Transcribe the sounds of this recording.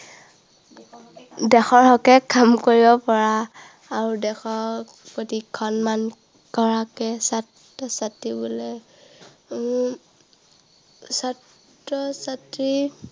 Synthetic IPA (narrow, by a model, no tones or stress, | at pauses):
dɛxɔɹhɔkɛkʰamkoɹibɔpɔɹaː | ɹudɛxɔɹ | potikʰɔnman | kɔɹakɛsatː | ɔsatɹibɔlɛ | satː | ɔsatɹi